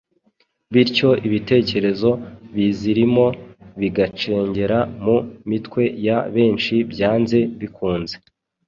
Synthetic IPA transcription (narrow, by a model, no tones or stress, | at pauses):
βiɾco̞ʔiβite̞ːce̞ɾe̞zo̞βiziɾimo̞βiɡat͡ʃe̞ːɲɟe̞ɾamumitkwe̞jaβe̞ːnt͡ʃibjaːnze̞βikʰuːnze̞